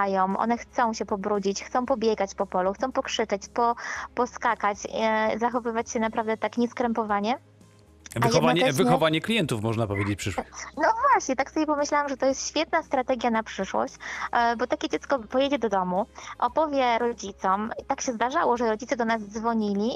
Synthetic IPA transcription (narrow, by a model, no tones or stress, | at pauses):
ajɔ̃w̃ʔɔ̰nɛxt̪sɔ̃w̃ɕɛpɔbɾud͡ʑit͡ɕxt̪sɔ̃w̃pɔbʲjɛɡat͡ɕpɔpɔluxt̪sɔ̃w̃pɔkʂɘt͡ʂɛt͡ɕpɔpɔskakat͡ɕzaxɔvɘvat͡ɕɕɛnapɾavd̪ɛt̪akɲɛskɾɛmpɔvaɲɛ | vajɛdvɲɛɛvɘxɔvaɲɛklʲijɛnt̪ufmɔʐnapɔvʲjed͡ʑet͡ɕʲpʂɘʂwnɔvwaɕɲɛt̪aksɔbʲjɛpɔmɘɕlawamʐɛt̪ɔjɛst̪ɕfʲjɛt̪nast̪ɾat̪ɛɡʲjanapʂɘʂwɔ̰ɕt͡ɕbɔt̪akʲɛd͡ʑɛt̪skɔpɔjɛd͡ʑɛd̪ɔd̪ɔmuʔɔpɔvʲjɛɾɔd͡ʑit̪sɔmit̪akɕɛzd̪aʐawɔʐɛɾɔd͡ʑit̪sɛd̪ɔnazd̪zvɔɲilʲi